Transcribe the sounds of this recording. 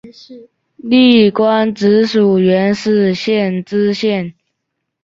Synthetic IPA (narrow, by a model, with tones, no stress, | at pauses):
li˥˩kwa˦˥nʈ͡ʂɻ̩˧˥˦ʂu˨˩ɥɛ˧˦˥nʂ̩˥˧ɕjɛ˥˨nʈ͡ʂ̩˥ɕjɛ˥˩˨n